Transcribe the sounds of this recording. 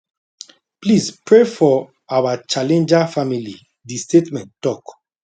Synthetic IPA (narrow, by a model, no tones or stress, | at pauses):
plispɹefɔ | awat͡ʃalɛ̃nd͡ʒafamili | distʰetmɛ̃ntːɔk